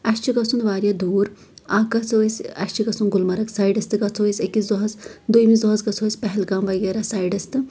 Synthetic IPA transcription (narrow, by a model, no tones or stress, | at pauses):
ɐʃt͡ʃiɡɐsunʋaːɾjɐd̪uːɾ | akɐt͡soisɐ̰ʃʲt͡ʃiɡɐsunɡulmɐɾɐksaːjɖɐst̪ɨɡɐt͡sʰoːisʲekiszɔɦɐsd̪ujmizɔɦɐzɡɐt͡sʰoːisʲpɐɦɛlɡaːmʋɐɡeɾasaːjɖɐst̪ɨ